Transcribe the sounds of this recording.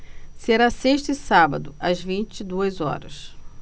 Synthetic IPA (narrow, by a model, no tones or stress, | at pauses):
seɾaseʃt̪ʊɪsabɐd̪ʊʔɐzvĩnt͡ʃid̪uɐzɔ̰ɾɐs